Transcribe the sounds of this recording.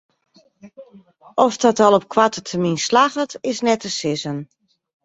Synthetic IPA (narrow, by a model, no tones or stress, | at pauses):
ʔɔfdɔtɔlˠɔp̚kʰwatətʰəminslaɣətɪsnɛtəsɪzən